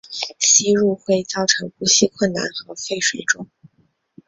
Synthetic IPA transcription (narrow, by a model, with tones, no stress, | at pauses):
ɕi˥ɻu˥˧xwe˥˧ɪt͡sɑ˥˩ʊʈ͡ʂʰɤ˧˥ŋpu˧˥ɕi˥˧kʰwə˥˩nna̰˧˥nxɤ˧˥fe˥˩ɪʂwe˨˩ɪʈ͡ʂʊ˥ŋ